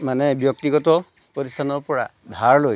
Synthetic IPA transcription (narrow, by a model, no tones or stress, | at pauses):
manɛbjɔk̚t̪iɡɔt̪ɔpɔɾist̪ʰanɔɹpɔɹa̰d̪ʱaɹloj